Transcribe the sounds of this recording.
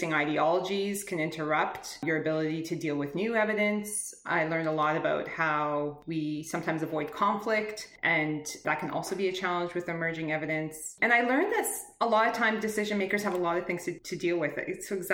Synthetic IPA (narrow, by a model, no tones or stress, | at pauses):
ɪ̃ŋaɪɾiɑlˠəd͡ʒiz̥kʰɨ̃nɪ̃ntʰə˞ʌptjə˞ɨbɪlˠəɾiɾɨdilˠwɨðnʉɛvɨɾɨ̃nsʔa̰ɪlɜ̃˞ndəlɔɾɨbaʊt̚haʊwisʌ̃mtʰãɪ̃mzəvɔɪd̚kʰɑ̃ɱflɪktʔɨ̃nðət̚kʰɨ̃nʔɔ̰lˠsoʊbiɨt͡ʃʰælˠə̃nd͡ʒwɨðɨmɜ˞d͡ʒɪ̃ŋɛvɨɾɨ̃nsʔɨ̃naɪlɜ̃˞nðɪs | əlɔɾʌv̥tʰãɪ̃mdɨsɪʒɨ̃nmeɪkə˞z̥əvəlɔɾʌv̥θɪ̃ŋz̥tʰɨtʰɨdilˠwɪð̥̰soʊɨɡ